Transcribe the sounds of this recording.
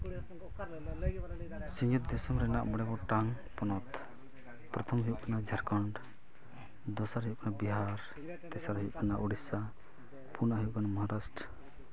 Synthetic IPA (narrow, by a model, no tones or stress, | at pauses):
sĩɲd͡ʒut̪̚d̪ɛsɔmɾɛna̰ʔmɔɽɛbɔʈaŋ | pɔnɔt̪ | pɾɔt̪ʰɔmɦujuʔkanad͡ʒʱaɾkɔɳɖ | d̪ɔsaɾɦiukʰanabiɦaɾ | t̪ɛsaɾɦijuʔkʰanaʔuɽisa | pʰunaɦjuʔkanamɔɦaɾasʈ